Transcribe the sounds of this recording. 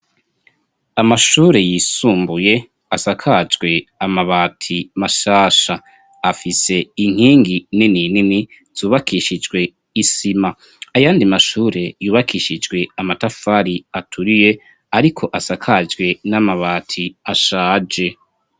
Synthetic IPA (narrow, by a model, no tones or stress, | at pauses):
amaʃuːɾe̞jiːsuːmbuje̞ | asakʰad͡ʒɡwe̞amaβaːtʰimaʃaːʃa | afise̞iŋ̥hiːŋɡinininini | z̥uːβakʰiʃid͡ʒɡwe̞ | isima | ajaːndimaʃuːɾe̞juːβakiːʃid͡ʒɡwe̞amatafaɾiatʰuɾije̞ | aɾikʰo̞ʔasakʰad͡ʒɡwe̞namaβaːtʰiaʃaːd͡ʒe̞